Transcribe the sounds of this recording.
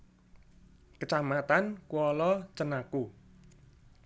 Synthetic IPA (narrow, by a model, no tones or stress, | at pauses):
kət͡ʃahmat̪ankwɔlɔt͡ʃənaku